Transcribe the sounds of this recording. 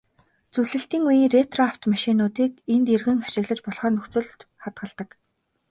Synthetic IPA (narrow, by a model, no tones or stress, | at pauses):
t͡suwɮɘ̆ɬt̪iːŋujiːnret̪rɔaw̥t̪maʃiːnʊːt̪iːk̚ent̪erɣɘ̆ŋḁʃɪ̆ɣɮə̆t͡ɕpɔɮχœːnɵxt͡sɵ̆ɮt̪χat̪̚ɢə̆ɮt̪ə̆k